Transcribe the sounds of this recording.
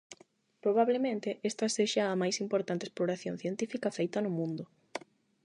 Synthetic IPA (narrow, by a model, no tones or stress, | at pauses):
pɾoβ̞aβlemẽnt̪eest̪ɐseʃaːmajsimpoɾt̪ant̪esploɾaθjon̟θjent̪ifikɐfejt̪ɐnʊmũnd̪ʊ